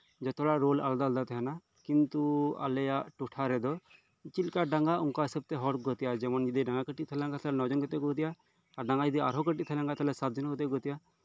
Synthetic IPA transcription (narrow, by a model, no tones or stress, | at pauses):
d͡ʒɔt̪ɔɽaɾola̰ld̪ald̪at̪ɛɦana | kint̪ua̰lɛjaʔʈuʈʰaɾɛd̪ɔ | t͡ʃilkaɖaŋɡauŋkaisɔb̚t̪ɛɦɔɾɡɔt̪ijad͡ʒɛmɔnd͡ʒid̪iɖaŋɡakəʈit̪̚t̪ʰɛlɛ̃ŋkat̪ʰlɛnɔd͡ʒɔnɡɔt̪ɛɡɔɔt̪iʔaː | ɾɖaŋɡad͡ʒid̪ia̰ɾɦɔkəʈit̪̚t̪ʰɛlɛ̃ŋkat̪ʰɛlɛsat̪̚d͡ʒɔnɡɔt̪ɛɡɔt̪ija